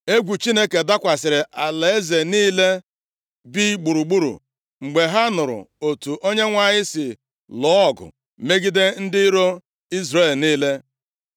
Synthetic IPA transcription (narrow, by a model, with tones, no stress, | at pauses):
e˦ɡʷu˨t͡ʃi˦ne˦ke˨da˦kʷa˨sɪ˨ɾɪ˨ʔa˨le˨e˦ze˨niː˦le˦ | bi˦ɡ͡bu˨ɾu˨ɡ͡bu˦ɾṵ˨ | ŋ͡m̩˨ɡ͡be˨ɦa˦nʊ˨ɾʊ̰˨o˨tu˨ʔo˦ɲe˦ŋʷa˦˨ɲɪ˦sɪ˨ | lɔ˦˨ɡʊ̰˨ | me˦ɡi˦de˦n̩˦dɪ˦i˦ɾo˦ | i˦zɾe˦˨lniː˦le˦